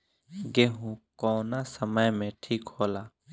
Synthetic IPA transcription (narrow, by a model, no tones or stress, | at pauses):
ɡeːɦũkɔːnasəməjmẽʈʰiːkɦoːlaː